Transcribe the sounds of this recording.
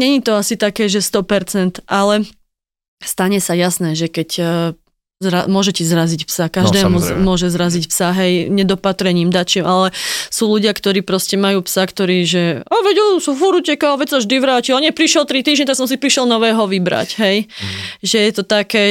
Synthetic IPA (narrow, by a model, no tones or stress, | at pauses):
ɲɛɲit̪ɔasit̪akɛːʒɛst̪ɔpɛɾt͡sɛnt̪ʔalɛ | st̪aɲɛsajasnɛːʒɛkɛc | zɾamʊɔʒɛcizɾazicpsakaʒd̪ɛːmumʊɔʒɛzɾazicpsaɦɛjɲɛd̪ɔpat̪ɾɛɲiːmd̪at͡ʃimʔalɛsuːluɟɪakt̪ɔɾiːpɾɔscɛmajuːpsakt̪ɔɾiːʒɛaʋɛɟɛlsufuɾucɛkaɦɔʋɛsaʒd̪iʋɾaːciɔɲɛpɾiʃjɛlt̪ɾit̪iːʒɲɛt̪aksɔms̬ipɾiʃjɛlnɔʋɛːɦɔʋibɾa̰cɦɛjʒɛjɛt̪ɔt̪akɛː